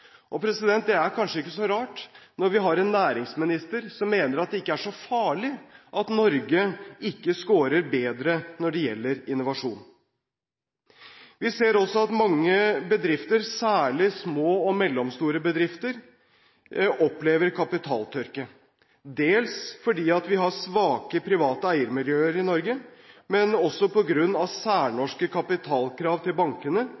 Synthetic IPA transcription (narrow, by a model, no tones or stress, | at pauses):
ʔɔpʰɾɛsɪd̪ɛnt̪̚d̪ɛæɾkʰɑnʂəɪkːəsɔɾɑːʈnɔɾʋɪɦɑɾɛnːæːɾɪŋsmɪnɪst̪əɾsɔmːeːnəɾɑt̪̚d̪ɛɪkːəæʂɔfɑːɭɪʔɑt̪nɔɾɡəɪkːəskoːɾəɾbeːd̪ɾənɔɖɛjɛ̰lːəɾɪnːʊʋɑʂuːn | ʋɪseːɾɔsɔɑt̪mɑŋːəbəd̪ɾɪft̪əɾsæːɭɪsmoːɔmɛlːɔmst̪uːɾəbəd̪ɾɪft̪əɾ | ʔɔpleːʋəɾkʰɑpɪt̪ʰɑːlt̪ʰœɾkə | d̪eːlsfɔɖiːɑt̪ʋɪɦɑsʋɑːkəpʰɾɪʋɑːt̪əæɪəɾmɪljøːəɾɪnɔɾɡəmɛnɔsːɔpɔɡɾʉnːɑʋsæːɳɔʂkəkʰɑpɪt̪ʰɑːlkʰɾɑːʋt̪ʰɪlbɑŋkənə